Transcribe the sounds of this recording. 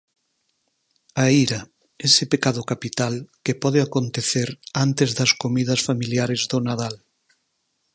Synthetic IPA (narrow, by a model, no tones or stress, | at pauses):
aiɾɐ | esɪpekaðʊkapit̪alkepɔðeakont̪eθeɾant̪ezðɐskomiðɐsfamiljaɾezðʊnaðal